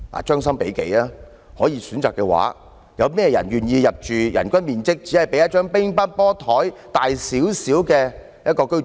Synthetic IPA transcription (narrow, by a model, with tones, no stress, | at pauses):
a̰ː˨˩t͡ʃœː˥ŋs̬ɐ˥mpe˨˥jkḛ˨˥jaː˧˥ | hɔː˨˥jiː˨˧syː˨˥nt͡saː˨kːɛ˧wa̰ː˨˥ | jɐ˨˧wmɛː˥jɐ̰˨˩nɥyː˨njiː˧jɐ˨p̚t͡ʃyː˨jɐ̰˨˩nkʷɐ˥nmiː˨nt͡sɪ˥k̚t͡si˨˥hɐ˨˩jpe˨˥jɐ˥t̚t͡ʃœː˥ŋpɪ˥ŋpɐ˥n̚pɔː˥t̪ʰɔː˨˥jt̪aː˨jsiː˨˥wsiː˨˥wkɛː˧ | jɐ˥t̚kɔː˧kɵ˥ɥ